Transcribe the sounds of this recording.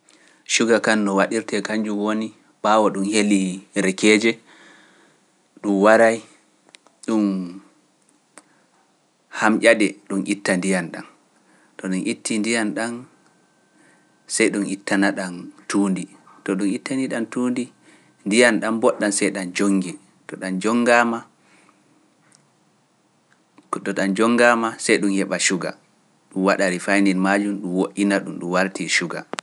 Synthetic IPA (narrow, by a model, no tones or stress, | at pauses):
ʃuɡakanːɔwaɗiɾtɛkaɲd͡ʒumwoni | bawɔɗumheliɾɛkɛːd͡ʒɛ | ɗumwaɾaj | ɗum | hamʔʲaɗɛɗumʔitːandijanɗa̰n | tɔɗumʔitːindijanɗan | sɛjɗunʔitːanaɗantʰuːndi | tɔɗumitːaniɗantuːndi | ndijanɗambɔɗːansɛjɗand͡ʒoŋɡi | tɔɗand͡ʒɔŋɡama | kɗɔɗand͡ʒɔŋɡaːmasɛjɗunhɛɓaʃuɡa̰ | ɗumwaɗaɾifajnilmad͡ʒumɗumwoʔinaɗumɗumwaɾtiʃuɡa̰